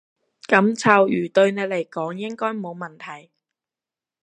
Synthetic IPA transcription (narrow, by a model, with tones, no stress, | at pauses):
kɐ˨˧˥mt͡sʰɐː˨˩wjyː˨˩t̪ɵ˧ɥne˨˧jle˨˩jkɔː˨˥ŋjɪ˥ŋkɔː˥jmo˨˧wmɐ˨˩nt̪ʰɐ˨˩j